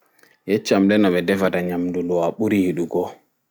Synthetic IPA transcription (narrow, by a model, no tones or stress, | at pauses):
jɛt͡ʃːamlɛnɔɓɛdɛfataɲamdulɔwaɓuɾihiɗuɡɔ